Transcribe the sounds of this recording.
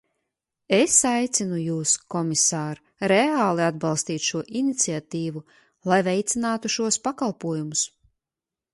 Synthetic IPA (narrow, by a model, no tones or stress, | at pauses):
esajt̪sinujuːskɔmisaːɾ | ɾeaːlˠiad̪bɑlˠst̪iːt̪ʃuɔʔinit̪siat̪iːvu | lˠajvɛjt̪sinaːt̪uʃuɔspakalˠpuɔjumus